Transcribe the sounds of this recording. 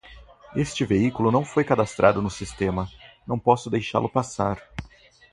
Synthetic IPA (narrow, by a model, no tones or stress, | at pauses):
est͡ʃɪveikulʊnɐ̃w̃fojkad̪ast̪ɾʔad̪ʊnʊsist̪ẽmɐnɐ̃w̃pɔsʊd̪ejʃa̰lʊpasaɾ